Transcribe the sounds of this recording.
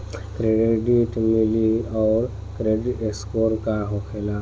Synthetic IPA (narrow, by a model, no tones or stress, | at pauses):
kɾeɖeɖiʈmɪliɔːɾ | kɾeɖɪeskoːɾkaɦokʰela